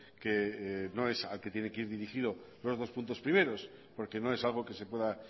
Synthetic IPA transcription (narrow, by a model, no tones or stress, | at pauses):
keno̞e̞salket̪jenekeiɾðiɾixið̞o̞ | lo̞zðo̞spunt̪o̞spɾime̞ɾo̞s | po̞ɾke̞no̞e̞salɣ̞o̞ke̞sepwe̞ða